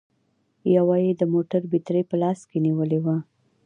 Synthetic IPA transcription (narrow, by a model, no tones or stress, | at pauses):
jawɑjed̪əmoʈaɾbit̪ɾepəlɑskeniwəlewa